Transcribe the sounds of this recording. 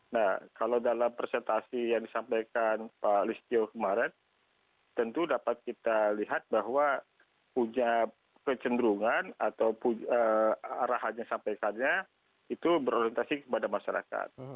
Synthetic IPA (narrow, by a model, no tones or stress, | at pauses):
nahkalawdalampɾesɛnt̪asijaŋdisampajkanpalist̪iokəmaɾɛn | t̪ənt̪udapat̪̚kit̪aliɦat̪̚baɦwa | puɲa | kət͡ʃəndɾuŋanat̪awpuəaɾaɦaɲasampajkanɲa | it̪ubəɾoɾiɛnt̪asikəpadamaʃaɾa̰ka̰t̪̚